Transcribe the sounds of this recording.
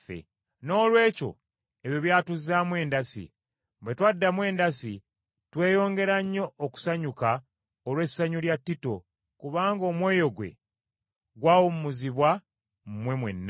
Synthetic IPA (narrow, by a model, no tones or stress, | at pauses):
ḛ | no̞ːlwe̞ːco̞̰ | eβjoβjaːtuzːaːmwe̞ːndasḭ | bwe̞twadːamwe̞ːndasi | twe̞ːjo̞ːŋɡe̞ɾaɲːo̞ːku̥saɲuka | olwesːaɲuljatːito̞ | kuβaːŋɡo̞ːmwe̞ːjo̞ɡwe̞̰ | ɡwawomumuziβwa | mmwe̞mwe̞̰nːa